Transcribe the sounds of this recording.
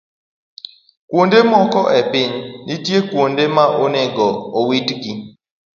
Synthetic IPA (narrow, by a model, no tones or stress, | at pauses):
kwondemɔkɔʔɛpɪɲːitjekwondemaʔonɛɡɔowitɡi